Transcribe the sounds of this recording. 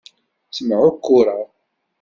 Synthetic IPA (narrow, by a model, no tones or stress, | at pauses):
sməʕʊkːʊɾˤɑ